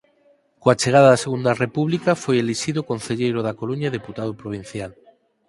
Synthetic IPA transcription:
koat͡ʃeɣ̞aðaðaseɣ̞und̪arepuβlikafojeliʃiðokõnθeʎejɾoðakoluɲaðeput̪aðopɾoβ̞in̟θjal

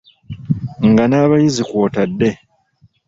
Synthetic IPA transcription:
ŋɡanaːβajizikwoːtadːe̞

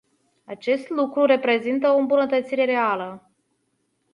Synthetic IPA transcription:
at͡ʃe̞st̪lukɾuɾe̞pɾe̞zint̪əoɨmbunət̪ət̪siɾe̞ɾe̞alə

